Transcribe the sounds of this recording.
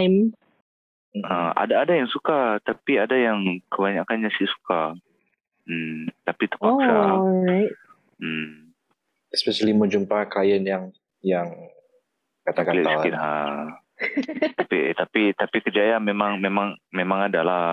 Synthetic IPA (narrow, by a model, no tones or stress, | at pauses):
jm | əa̰daːdajaŋsukat̪apiadajaŋkəβaɲakanɲasisu̥ka | m̩t̪apit̪ə̥paɹajt̚ | m̩ | ɛspɛʃaliməd͡ʒumpakajənjaŋ | jaŋ | kat̪akaliʔaskɪnɦa | t̪apit̪apit̪apikəd͡ʒajamemaŋmemaŋmemaŋadala